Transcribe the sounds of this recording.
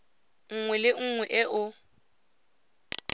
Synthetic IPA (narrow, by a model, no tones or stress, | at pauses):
ŋ̩ŋwɛlɪŋ̩ŋwɛʔɛʔʊ